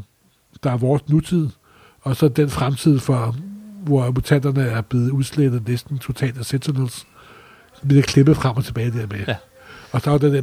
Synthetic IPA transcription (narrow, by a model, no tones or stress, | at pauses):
d̥ɑ̈æɐʋɒːsnut͡sʰið̞̰ˠ | ɒ̽sɒ̽d̥enfʁamt͡sʰið̞̰ˠfɒʋɒmut͡sʰæn̰d̥ɐnəæɐb̥le̝ːð̞̩ˠuð̞ˠsled̥ð̩ˠnesd̥n̩t͡sʰo̝t͡sʰɛ̰ːld̥æsent͡sʰonels | ʋiləkʰle̝b̥əfʁam̰ɒ̽t͡sʰe̝b̥ɛːɪd̥æɐ̰me | ɒ̽sɒ̽ɐd̥ed̥e